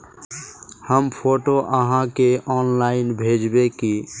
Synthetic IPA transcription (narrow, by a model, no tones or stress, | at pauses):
həmpʰoʈoʔəɦãkeɔːnlaɪnbʱed͡ʒbeki